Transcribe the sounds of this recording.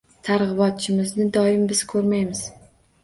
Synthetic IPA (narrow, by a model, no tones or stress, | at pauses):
t̪ʰaɾʁɨbɒt̪̚t͡ʃʰɪmɪznɪd̪ɒɪmbɪz̥kʰɵɾmajmɪz̥